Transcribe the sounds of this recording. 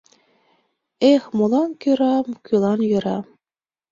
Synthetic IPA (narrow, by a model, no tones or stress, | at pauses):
exmolˠɑnkyɾɑmkylˠɑnjɤ̆ɾɑ